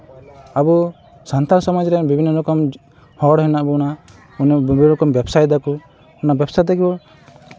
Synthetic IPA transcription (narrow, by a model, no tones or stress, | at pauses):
abu | sant̪aɾsɔmad͡ʒɾɛbibʱinːɔɾɔkɔm | hɔɽɦɛnaʔbuna | unbiɾɔkɔmbɛbsajd̪aku | unabjɛbsad̪ɛkʰibɔ